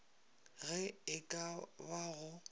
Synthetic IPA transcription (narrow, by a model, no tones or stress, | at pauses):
ɣɛɪkʼabaɣʊ